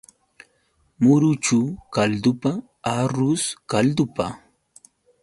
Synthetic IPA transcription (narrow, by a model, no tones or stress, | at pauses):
mʊɾʊt͡ʃukald̪ʊpa | aɾʊskald̪ʊpa